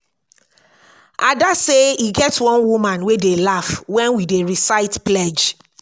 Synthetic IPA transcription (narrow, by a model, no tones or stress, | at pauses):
ʔadaseiɡɛtwɔ̃nwumãnwedelafwɛ̃nwideɹisaɪtplɛd͡ʒ